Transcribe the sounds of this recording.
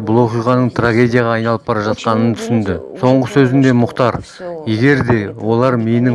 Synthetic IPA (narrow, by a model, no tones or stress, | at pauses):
bʊlˠwo̞qijʁɑnəɴt̪ʰraɡʲe̞d̪ʲijɑʁɑːɑjnɑlˠəp̚bɑɾɑʒɑt̪̚qɑnənt̪ʰʏsɪnd̪ɪso̞ɴʁəsɵzɪnd̪e̞mʊqt̪ɑɾ | je̞ɡʲe̞ɾd̪e̞wo̞lˠɑɾmejnɪ